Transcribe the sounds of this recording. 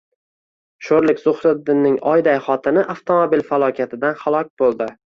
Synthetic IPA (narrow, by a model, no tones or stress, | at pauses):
ʃoɾlɪkʲzʊχɾɪd̪ːɪnːɪŋɒjd̪ajχɒt̪ʰɪnɪʔaft̪ʰomobilfalˠɒkʲʰat̪ʰɪd̪anχalˠɒk̚ʲb̥olˠd̪ɪ